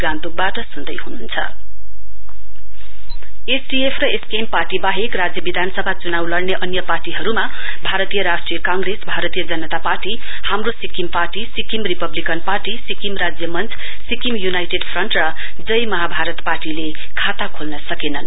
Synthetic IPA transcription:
ɡãnt̪uk̚baʈʌsund̪ʌjɦununt͡sʰʌ̰ | esɖiepʰrʌeskemparʈibaɦekrad͡zjʌbid̪ʱanʌsʌbʱat͡sunawlʌrneʔʌnjʌparʈiɦʌɾuma | bʱaɾʌt̪ijʌɾasʈrijʌkãŋɡresbʱaɾʌt̪ijʌd͡zʌnʌt̪aparʈi | hamrosikimparʈisikimripʌblikʌnparʈisikimrad͡zjʌmʌnt͡sʰ | sikimjunajʈeɖpʰrʌɳʈrʌ | d͡zʌjmʌɦabʱaɾʌt̪parʈile | kʰat̪akʰolnʌsʌkenʌn

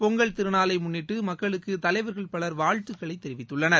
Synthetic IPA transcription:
pɔŋɡɐɭt̪ɪɾɯnaːlɐɪmʊnːɪʈːɯmɐkːɐɭɯkːɯt̪ɐlɐɪʋɐɾɣɐɭpɐɭɐɾʋaːɻt̪ɯkːɐɭɐɪt̪ːɛɾɪʋɪt̪ːɯɭːɐnɐɾ

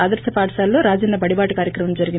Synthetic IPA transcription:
aːd̪ɐɾsɐpaːʈʃaːlːoːɾaːd͡ʒɐnːɐbɐɽibaːʈɐkaːɾjɐkɾɐmɐmd͡ʒɐɾiɡin

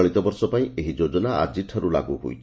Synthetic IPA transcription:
ɭ̃it̪ɔbɔɾsɔpaĩʔeɦid͡ʒod͡ʒɔnaa̰d͡ʒiʈʰɔɾula̰ɡuɦṵjt͡ʃʰ

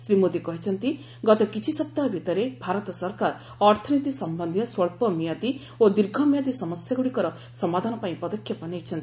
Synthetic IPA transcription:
sɾimod̪ikɔɦit͡ʃʰʌnt̪i | ɡɔt̪ɔkit͡ʃʰisɔp̚t̪abʱit̪ɔɾebʱaɾɔt̪ɔsɔɾkaɾ | ɔɾt̪ʰɔnit̪isɔmbɔnd̪ʱiɔswɔɭpɔmijat̪i | od̪iɾɡʱɔmijat̪isɔmɔsjaɡuɽikɔɾɔ | sɔmad̪ʱanɔpaĩpɔd̪ɔkʰjɔpɔnejt͡ʃʰɔnt̪i

